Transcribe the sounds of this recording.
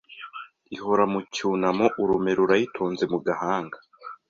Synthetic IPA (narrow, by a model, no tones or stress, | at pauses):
iɦo̞ɾamucuːnamoʔuɾume̞ɾuɾajitʰoːnze̞muɡahaːŋɡa